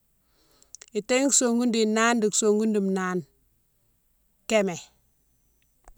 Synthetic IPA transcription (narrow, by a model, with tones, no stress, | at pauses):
i˨te˦ŋkso˨ŋɡu˦ndi˨na˦ndi˨kso˨ŋɡu˦ndi˨mnaː˦n | ke˦me˨